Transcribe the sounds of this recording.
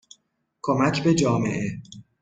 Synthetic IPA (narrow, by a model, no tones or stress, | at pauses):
kʰomæcʰbe̞d͡ʒɒːmḛʔe